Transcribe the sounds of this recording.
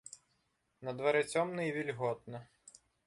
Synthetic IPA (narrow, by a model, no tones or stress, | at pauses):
nɐd̪ʋɐɾɪt͡sʲɔmnɪjiʋʲilʲɦɔt̪̚nɐ